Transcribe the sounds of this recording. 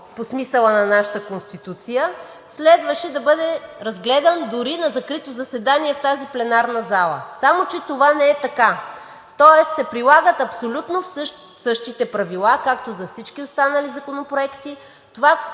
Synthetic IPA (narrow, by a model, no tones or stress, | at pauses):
posmisəlˠənɐnaʃət̪əkonst̪it̪ut̪sijə | slɛd̪vəʃɛd̪ɐbɤd̪ɛɾɐzɡlɛd̪ənd̪ʊɾinɐzɐkɾit̪ozɐsɛd̪aniɛft̪aziplɛnaɾnɐzalˠə̰samot͡ʃɛt̪ovanɛɛt̪ɐka | t̪ɔɛst̪sɛpɾilˠaɡət̪ɐpsolʲut̪nofsʃ | sɤʃt̪it̪ɛpɾɐvilˠakakt̪ozɐfsit͡ʃk̟iost̪anəlizɐkonopɾoɛkt̪i | t̪ova